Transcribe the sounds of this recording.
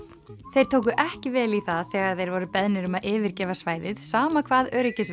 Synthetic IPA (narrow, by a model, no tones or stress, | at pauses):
θejɾ̥t̪ʰoːwk̬ʏʔɛhcɪvɛːliθaðθɛːɣaɾ̥θejɾvɔɾʏpɛðnɪɾʏmaðʔɪːvɪɾ̥cɛːvasvaːjðɪðsaːmakʰv̥aːðœɾɪcɪs